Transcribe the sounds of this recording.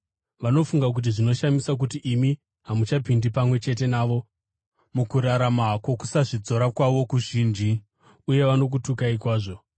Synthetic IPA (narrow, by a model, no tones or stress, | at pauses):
ʋano̞fuŋɡak̬ut̬iʐino̞ʃamisak̬utiʔːmi | ɦamut͡ʃapindipamwe̞t͡ʃe̞t̬e̞naːʋo̞ | mukuɾaɾamakwo̞ku̥saʐid͡zo̞ɾakwaʋo̞kuʒiːnd͡ʒi | uje̞ʋano̞k̬utukaikwaːʐo̞